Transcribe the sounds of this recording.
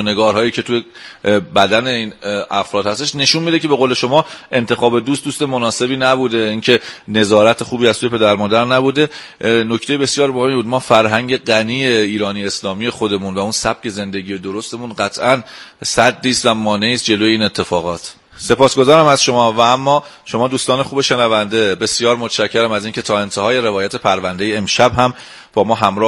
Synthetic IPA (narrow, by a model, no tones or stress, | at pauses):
ne̞ɡɒːɾɦɒːjiːcʰe̞t̪ʰujebæd̪æne̞iːnæfɾɒːd̪hæst̪eʃne̞ʃunmiːd̪ecebe̞ɣoːle̞ʃo̞mɒːe̞nt̪ʰe̞xɒːbe̞d̪uːst̪d̪uːst̪e̞monɒːse̞biːnæbud̪e̞iːŋcʰe̞ne̞zɒːɾæt̪ʰexuːbiːæzt̪uːjepʰe̞d̪æɾmɒːd̪æɾnæbud̪e̞ | no̞ct̪e̞jebe̞sjɒːɾmohemibuːd̪mɒːfæɾɦæɲɟe̞ɢæniːjeiːɾɒːnijeslɒːmijexo̞d̪e̞muːnvæunsæb̥̚cʰe̞ze̞nd̪eɟiːjed̪oɾo̞st̪e̞muːnɢæt̪ʰʔænsæd̪ːiːst̪væmɒːne̞iːst̪̚d͡ʒe̞lojeiːnet̪ʰːefɒːɣɒːt̪ʰ | se̞pɒːsɡo̞zɒːɾæmæzʃo̞mɒːvææmːɒː | ʃo̞mɒːd̪uːst̪ɒːnexuːbe̞ʃe̞nævænd̪e̞be̞sjɒːɾmot̪ʰʃæcʰːeɾæmæziːncʰet̪ʰɒːe̞nt̪ʰehɒːje̞ɾe̞vɒːjæt̪ʰe̞pʰæɾvænd̪e̞jeːmʃæbɦæm | b̥ɒːmɒːɦæmɾɒː